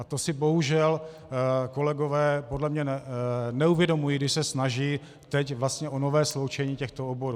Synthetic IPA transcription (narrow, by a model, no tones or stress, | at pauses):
at̪o̞sɪbo̞ɦuʒɛl | ko̞lɛɡo̞vɛːpodlɛmɲɛnnɛuvjɛdo̞mujiːɡdɪʃsɛsnaʒiː | t̪ɛcvlast̪ɲɛʔonovɛːslowt͡ʃɛɲiːcɛxt̪oobo̞ɾuː